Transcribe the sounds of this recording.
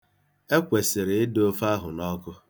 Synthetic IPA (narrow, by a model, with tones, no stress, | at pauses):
e˦kʷe˨sɪ˨ɾɪ˨ɪ˦do˦fa˦ɦʊ˨nɔ˦kʊ˦